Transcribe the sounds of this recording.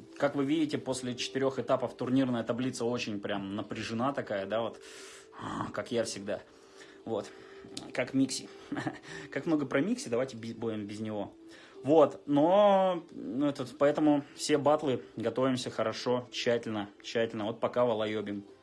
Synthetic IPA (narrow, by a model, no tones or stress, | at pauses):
kakvɨvʲidʲɪtʲɪpo̞sʲlʲɪt͡ɕɪ̥t̪ɪɾʲo̞xɨt̪apəft̪ʊrnʲirnəjət̪ɐblʲit̪səo̞t͡ɕɪnʲpɾʲamnəpɾʲɪʐɨnat̪ɐkajəd̪avo̞t̪ | akakjafsʲɪɡ̚d̪a | vo̞t̪ | kakmʲiksʲɪ | kakmno̞ɡəpɾɐmʲiksʲɪd̪ɐvajtʲɪbʲɪbudʲɪmbʲɪznʲɪvo̞ | vo̞t̪no̞ | nɛt̪əpɐɛt̪əmʊfsʲe̞bat̪lˠɨɡɐt̪o̞vʲɪmsʲəxəɾɐʂo̞t͡ɕːætʲɪlʲnət͡ɕːætʲɪlʲnəvo̞t̪̚pɐkavəlˠɐjobʲɪm